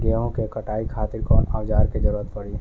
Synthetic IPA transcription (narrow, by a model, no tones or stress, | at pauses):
ɡeːɦõkekɐʈaːikʰaːt̪ɪɾkɔːnaːʋd͡ʒaːɾkezəɾuːɾət̪pɐɽiɦ